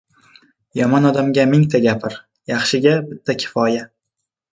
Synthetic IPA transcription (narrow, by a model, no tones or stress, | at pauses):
jɒmɒnɒd̪amɡʲamɪŋt̪ʰaɡʲapʰɪɾ | jɑχʃɪɡʲabɪt̪ʰːakʲʰɪ̥fɒja